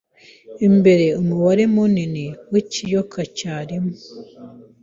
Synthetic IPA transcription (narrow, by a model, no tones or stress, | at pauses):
embeɾeomuβaɾemuniniwicijokʰacaɾimu